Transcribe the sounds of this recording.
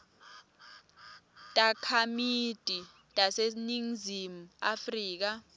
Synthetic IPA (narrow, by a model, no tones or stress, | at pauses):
tʼakʰamid̥ʼʱi | tʼaseniŋzimuafriːk̬a